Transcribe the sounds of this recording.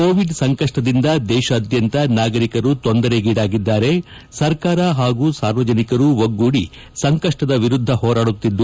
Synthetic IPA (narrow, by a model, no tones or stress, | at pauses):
koːʋiɖsɐŋkɐʂʈɐd̪ind̪ɐd̪ɛːʃɐːd̪jɐnt̪ɐnaːɡɐɾikɐɾut̪ond̪ɐɾeɡiːɽaːɡid̪ːaːɾe̞ | sɐɾkaːɾɐɦaːɡuːsaːɾʋɐd͡ʒɐnikɐɾuʋoɡːuːɽi | sɐŋkɐʂʈɐd̪ɐʋiɾud̪ʱːɐɦɔːɾaːɽut̪ːid̪ːu